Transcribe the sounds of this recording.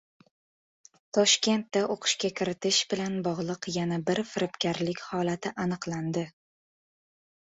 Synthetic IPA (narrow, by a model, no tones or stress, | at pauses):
t̪ʰɒʃkʲe̞nt̪ːaʔoqʰɨ̥ʃkʲakʲʰɪɾɪt̪ʰɪʃbɪlanbɒʁlˠɨqjanabɪɾfɪɾɪpkʲʰaɾlɪkʲhɒlˠat̪ʰɪʔanɨqlˠand̪ɪ